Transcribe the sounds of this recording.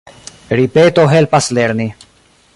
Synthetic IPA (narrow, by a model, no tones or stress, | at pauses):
ɾipeːt̪oɦelpasleɾni